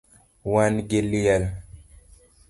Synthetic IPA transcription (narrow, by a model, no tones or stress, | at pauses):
wanɡeljal